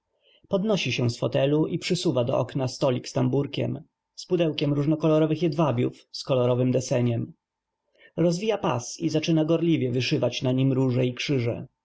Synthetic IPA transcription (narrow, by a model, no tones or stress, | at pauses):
pɔd̪nɔɕiɕɛ̃sfɔt̪ɛluʔipʂɘsuvad̪ɔ̰ʔɔ̰knast̪ɔlʲikst̪ambuɾkʲɛ̰m | spud̪ɛwkʲɛmɾuʐnɔkɔlɔɾɔvɘxjɛd̪vabʲjṵf | skɔlɔɾɔvɘmd̪ɛsɛɲɛm | ɾɔzvʲijapa̰sizat͡ʂɘnaɡɔɾlʲivʲjɛvɘʂɘvat͡ɕnaɲimɾuʐɛikʂɘʐɛ̰